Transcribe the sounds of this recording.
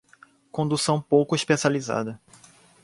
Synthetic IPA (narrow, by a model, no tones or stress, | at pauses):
kõd̪usɐ̃w̃powkʊiʃpesializa̰d̪ɐ